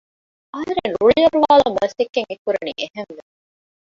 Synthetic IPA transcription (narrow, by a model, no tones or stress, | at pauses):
ʔɐɦɐɾenɾuɭijɐɾuʋaːlɐmɐst̪ekːeŋekːuɾɐnḭʔehenʋe